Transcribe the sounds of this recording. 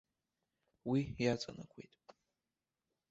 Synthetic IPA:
wijat͡sʷʼa̰nakʷʰejtʼ

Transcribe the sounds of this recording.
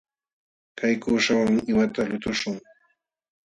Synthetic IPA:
kajkʊːʃawaŋɪwat̪aʎʊt̪ʊʃʊŋ

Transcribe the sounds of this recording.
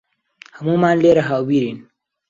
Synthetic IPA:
həmuːmaːnleːɾɐɦawwiɾin

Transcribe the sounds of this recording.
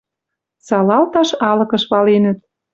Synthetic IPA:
sɑlɑlt̪ɑʃɑlɤ̆kɤ̆ʃβɑlenə̆t̪̚

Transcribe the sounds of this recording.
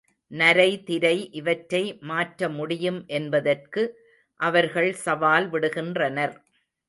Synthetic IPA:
nɐɾɐɪt̪ɪɾɐɪʔɪʋɐʈːɐɪmaːʈɾɐmʊɽɪjɯmʔɛnbɐðɐrkɯ | ʔɐʋɐɾɣɐɭsɐʋaːlʋɪɽɯɣɪndrɐnɐɾ

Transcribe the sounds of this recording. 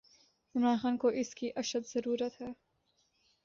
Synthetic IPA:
ʊnaːnxaːnkoʔɪskiʔɐʃəd̪z̥ɐɾuːɾət̪ɦɛː

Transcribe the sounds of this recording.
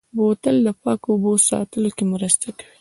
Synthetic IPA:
bot̪əld̪əpɑkobosɑ̰t̪əlokemɾəst̪akḁwi

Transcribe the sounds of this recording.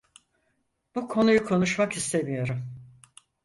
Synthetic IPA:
b̥ukʰo̞nujukʰo̞nuʃmakist̪ʰe̞mijo̞ɾum

